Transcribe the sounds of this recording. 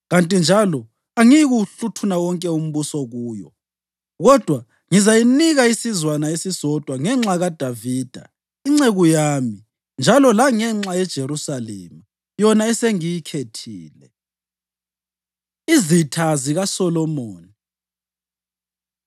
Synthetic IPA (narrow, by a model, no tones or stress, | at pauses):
ɣantʼind͡ʒʱalɔ | aŋiɣuɬutʰunawɔŋkʼɛum̩βusɔɣuːjɔ̰ | ɣɔd̥ʱwa | ŋizajiniɣaisizwanaesisɔd̥ʱwaŋɛŋ͡ǁaɣad̥ʱaviːd̥ʱa̰ | iŋ͡ǁeɣujaːmi | nd͡ʒʱalɔlaŋɛŋ͡ǁajɛd̥ʒ̥ʱeɾusalḛma | jɔnaɛseŋijikʰetʰiːlɛ | izitʰaziɣasɔlɔmoːni